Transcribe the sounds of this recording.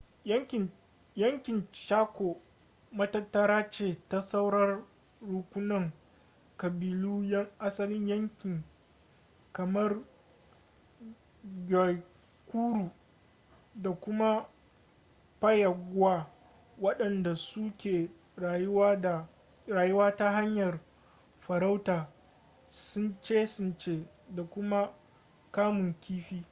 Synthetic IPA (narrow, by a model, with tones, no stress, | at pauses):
jɐ˦ŋkʲɪ˨nt͡ʃaː˦kʷo˨ | mɐ˦tɐ˦tːɐ˦ɾaː˦t͡ʃeː˨ta˦sa˦wɽɐ˦rː | u˨kʷʊ˦nɐ˦˨ŋ | kɐ˨biː˨luː˦jɐ˦ŋʔa˦sɐ˦lɪ˦ɲjɐ˦ŋkʲɪ˨ŋ | kɐ˨mɐ˦r | ɡʲa˨ | kʷuː˦ɽuː˨ | da˨kʷʊ˦ma˦ | ɸɐ˦jɐ˨ɡʷwaː˦ | wɐ˦ɗɐ˨nda˨sʊ˦kʲeː˨ | ja˨ | ɾaː˨jʊ˦waː˦ta˦ɦa˦ɲjɐ˨r | ɸɐ˨ɾa˦wtaː˨ | sʊ˦nt͡ʃeː˦sʊ˦nt͡ʃeː˦ | da˨kʷʊ˦ma˦ | kaː˦mʊ˨ŋkʲiː˦ɸiː˦